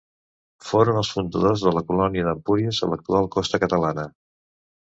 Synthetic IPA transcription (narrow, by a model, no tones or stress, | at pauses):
foɾənəlˠsfund̪əðozðələkulɔniəðəmpuɾiəsə̰lək̚t̪ualˠkɔst̪əkət̪əlanə